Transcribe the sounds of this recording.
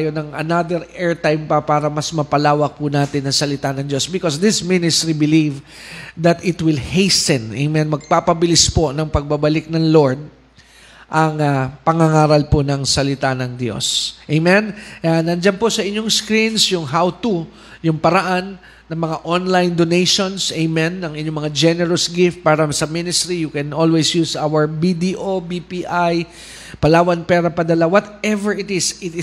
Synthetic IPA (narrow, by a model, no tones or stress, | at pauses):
jonɐŋʔɐ̰nad̪ɛɾɛɹt̪ajmpɐpaːɾɐmɐsmɐpɐlaːwɐk̚pʊnaːt̪ɪnːɐŋsɐlɪt̪anɐŋd̪jo̞sbɪkosd̪ɪsminɪst̪ɾibɪliv | d̪ɐt̪ɪt̪wɪlhejsɛnejmɛnmɐɡ̚papɐbɪlɪsponɐŋpɐɡ̚babɐlɪk̚nɐŋlo̞ɹd̪̚ | ʔɐŋapɐŋaŋaːɾɐlponɐŋsɐlɪt̪anɐŋd̪jo̞̰sʔejmɛnanɐnd͡ʒanposɐʔɪɲːoŋskɾinsjʊŋɦawt̪u | jʊŋpɐɾɐʔanː | ɐŋmɐŋaʔonlajnd̪onejʃonsejmɛnːɐŋɪɲːomɐŋad͡ʒɛnɛɹosɡɪft̪̚paːɾɐsɐmɪnɪst̪ɾijʊkɛnʔolwesjuːsʔawɐɹbid̪iʔobipiʔaj | pɐlaːwɐnpɛːɾɐpɐd̪ɐlawɔt̪ɛvɛɹɪt̪ɪsɪt̪ɪ